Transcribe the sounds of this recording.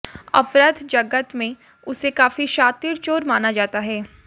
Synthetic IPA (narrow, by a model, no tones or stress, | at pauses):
ɐ̰fɾəd̪d͡ʒɐɡət̪mẽ | ʊsekaːfiʃaːt̪iɾt͡ʃoːɾmaːnad͡ʒaːt̪aɦɛː